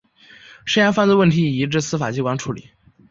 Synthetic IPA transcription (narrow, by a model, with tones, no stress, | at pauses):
ʂə˥ja˧˥nfa˥˧nt͡swwə˥˩nt̪ʰi˧˥i˨˩i˧˥ʈ͡ʂɻ̩˥˧sɹ̩˥fa˨˩t͡ɕi˥kwa˧˥nʈ͡ʂʰu˧˥lḭ˨˩˦